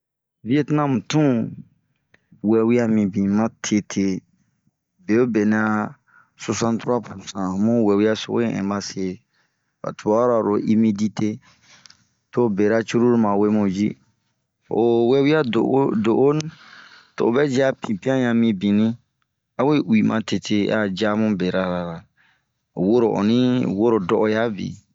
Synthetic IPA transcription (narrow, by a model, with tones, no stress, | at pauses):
vi˦e˦ti˦nã˦mũ˨tũ˦ | wɛ˨wi˦a˦mĩ˨bĩ˨mã˦tʰe˧tʰe˦˨ | be˨o˦be˨nĩ˨a˧ | so˧sã˦ntɾu˦a˦pu˨ɾsã˨mũ˦wɛ˨wi˦a˦so̰˨õ̰˦˨ɛ̰̃˨ba˦se˦˨ | ba̰˨tu˨˦a˦ɾa˨ɾo˨ʔi˦mi˦di˦te˦ | to˦be˨ɾa˦t͡ʃu˦ɾu˦ɾmã˨we˦mõ˨d͡ʒi˦ | o˨wɛ˦wi˦a˦do̰˨˦do˨ʔo˦ñ˦to̰˨bɛ˦d͡ʒi˦a˦pĩ˨pi˦ã˦jã˨mĩ˦bĩ˨nĩ˦ | a˦we˦wi˨mã̰˨te˨tʰe˦a˨d͡ʒa˦mũ˦be˨ɾa˨ɾa˨ɾa˨ | wo˦ɾo˨ʔo̰˨nĩ˦wo˦ɾo˨dɔ˦ʔɔ˦ja˦bḭ˨